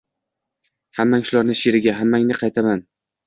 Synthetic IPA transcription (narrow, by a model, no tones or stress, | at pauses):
hamːaŋʃʊlaɾnɪʃeɾɪɡʲaɦamːaŋnɪqʰɑjt̪ʰaman